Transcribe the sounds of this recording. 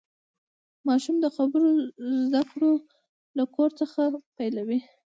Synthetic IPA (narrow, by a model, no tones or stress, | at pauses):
mɑʃumd̪əxabəɾozd̪akɽo | lakoɾt͡səxapajlawi